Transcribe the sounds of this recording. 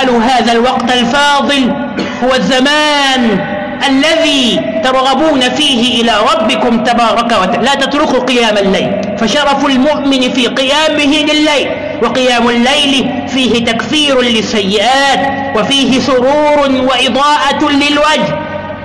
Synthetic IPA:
aluːɦaːðalwɑqt̪alfɑːðˤɨl | hʊwazːamaːn | ʔalːaðiːt̪ɑɾˤɣabuːnafiːɦɪʔɪlaːɾˤɑbːɪkʊmt̪abɑːɾˤɑkawalaːt̪at̪ɾʊkuqɨjaːmalːajl | faʃɑɾˤɑfalmʊʔmɪnfiːqɨjaːmɪɦɪlɪlːajl | wɑqɪjaːmalːajl | fiːhɪt̪akθiːɾlɪsːajːɪʔaːt̪ | wafiːɦɪsʊɾuːɾwaʔɪd̪ˤɑːʔalɪlwad͡ʒh

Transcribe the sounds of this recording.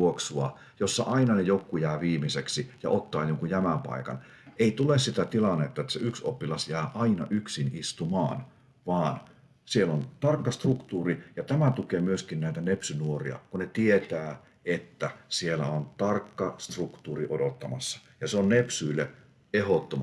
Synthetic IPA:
oksuɑ | josːɑ̰ʔɑinɑnejokːujæːʋiːmiseksijɑ̰ʔot̪ːɑːjoŋkujæmæmpɑ̰ikɑ̰n | eit̪ulessit̪æt̪ilɑnːet̪ːɑet̪ːseʔyksopːilɑsjæːʔɑinɑ̰ʔyksinist̪umɑ̰ːn | ʋɑːn | sielont̪ɑrkːɑst̪rukt̪uːrijɑt̪æmæt̪ukemyøskinnæit̪ænepsynuorḭɑ̰kunet̪iet̪æː | et̪ːæsielæ̰ont̪ɑrkːɑst̪rukt̪uːriʔodot̪ːɑmɑ̰sːɑ̥ | jɑseonnepsyːlːe | ehot̪ːomɑ

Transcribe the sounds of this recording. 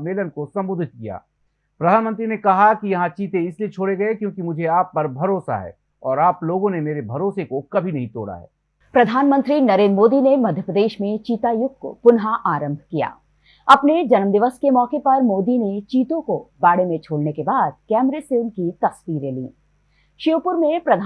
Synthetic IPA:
meːlənkosɐ̃mbʊd̪ʱɪt̪̚kija̰ː | pɾɐd̪ʱaːnmə̃nt̪ɾinekɐɦakijɐɦãt͡ʃiːt̪ẽɪsliet͡ʃʰoːɽeɡɐekjõːkimʊd͡ʒʱeaːpːɐɾbʱɐɾoːsa̰ɦɛ̰ː | ɔːɾaːploːɡõnemeːɾebʱɐɾoːsekokɐbʱinɐɦĩt̪o̰ːɽa̰ɦɛ̰ː | pɾɐd̪ʱaːnmə̃nt̪ɾinɐɾẽːnd̪ɾmoːd̪inemɐd̪ʱjəpɾəd̪eːʃmẽt͡ʃiːt̪ajʊɡ̚ko̰pʊnɦaʔaːɾə̃mbʱkija̰ː | ɐpned͡ʒɐnmd̪ɪʋəskemɔːkepɐɾmoːd̪inet͡ʃiːt̪õkobaːɽemẽt͡ʃʰoːɽnekebaːd̪̚kɛːmɾeseʊnkit̪ɐsʋiːɾelḭː | ʃɪʋpʊɾmẽpɾɐd̪ʱ

